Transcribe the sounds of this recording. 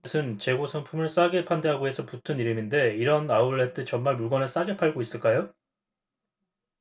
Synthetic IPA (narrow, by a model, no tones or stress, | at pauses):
sʰɯnt͡ɕe̞ɡosʰʌnpʰumɯɭs͈aɡe̞pʰande̞ɦaɡoe̞sʰʌputʰɯniɾɯminde̞iɾʌnauɭːet͈ʰɯt͡ɕʌmmaɭmuɭɡʌnɯɭs͈aɡe̞pʰaɭɡois͈ɯɭk͈ajo